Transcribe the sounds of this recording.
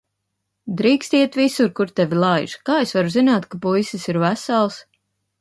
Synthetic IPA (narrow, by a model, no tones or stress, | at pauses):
d̪ɾiːkst̪iɛt̪visuɾkuɾt̪ɛvʲilˠajʒkaːesvaɾuzinaːt̪kapujsisiɾvæsalˠs